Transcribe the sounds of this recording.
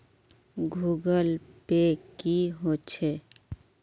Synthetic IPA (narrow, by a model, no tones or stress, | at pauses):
ɡʱuɡəlpekiɦot͡ʃʰe